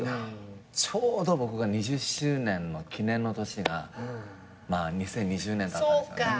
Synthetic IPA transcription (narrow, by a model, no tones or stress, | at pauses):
at͡ɕʰoːd̪o̞bo̞kɯ̟ɡaɲ̟iʑɨɕɨːnẽ̞nːo̞kʲinẽnːo̞t̪o̞ɕiɡa̰ | maːɲ̟isẽ̞ɲ̟ːiʑɨːnẽ̞nd̪aaskka